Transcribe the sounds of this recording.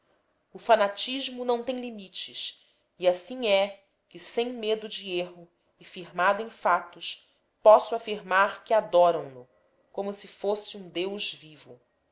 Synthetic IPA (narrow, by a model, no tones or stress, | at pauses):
ʊfanat͡ʃiʒmʊnɐ̃w̃t̪ẽj̃limit͡ʃɪʃ | iasĩɲɛ | kɪsẽj̃med̪ʊd͡ʒɪeɦʊ | ɪfiɾmad̪ʊẽj̃fat̪ʊʃ | pɔsʊafiɾmaɾkɪad̪ɔɾɐ̃w̃lʊ | kõmʊsɪfosɪũd̪ewʒvivʊ̰